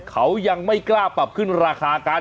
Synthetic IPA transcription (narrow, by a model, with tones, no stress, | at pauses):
kʰa˦˥wja˧ŋma˥˩jklaː˥˩pa˨˩p̚kʰɯ˥˩nɾaː˧kʰaː˧kaː˧˥